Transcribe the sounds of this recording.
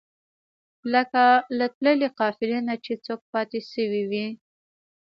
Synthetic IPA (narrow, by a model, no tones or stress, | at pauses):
ləkalat̪ləleqɑfɪlinat͡ʃet͡sok̚pɑt̪eʃəwiwi